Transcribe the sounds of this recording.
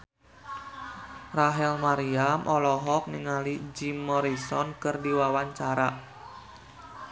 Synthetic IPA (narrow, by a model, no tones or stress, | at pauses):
raɦɛlmaɾiamʔɔlɔɦɔk̚niŋalid͡ʒimːɔɾisɔnkɨrdiwawaɲt͡ʃaɾa